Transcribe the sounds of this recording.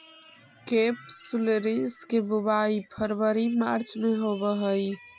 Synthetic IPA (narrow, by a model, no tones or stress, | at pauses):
kepsuleɾiskebubaipʰəɾbəɾimaɾt͡ʃmeɦobəɦəj